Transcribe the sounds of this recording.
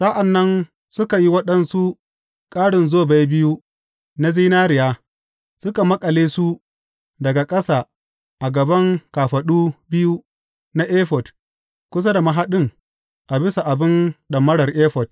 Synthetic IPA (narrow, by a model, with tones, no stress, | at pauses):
sa˦ʔa˨nːɐ˦n | sʊ˦ka˨ji˦wɐ˦ɗɐ˦nsu˦ | kʼaː˦ɽɪ˨nzoː˦ba˦jbɪ˦ju˦ | na˦ziː˦naː˦ɾɪ˨jaː˦ | sʊ˦ka˨mɐ˦kʼɐ˨leː˦su˦ | dɐ˨ɡa˨kʼɐ˦saː˨ | ʔa˨ɡɐ˨bɐ˦ŋkaː˨ɸɐ˨ɗuː˦bɪ˦ju˦ | na˦ʔeː˦ɸɔ˨t | kʷʊ˦s̬a˦da˨mɐ˨ɦa˦ɗɪ˦ŋ | ʔa˨bɪ˦sa˨ʔa˨bɪ˦nɗɐ˨mːɐ˦ɽɐ˨rʔeː˦ɸɔ˨t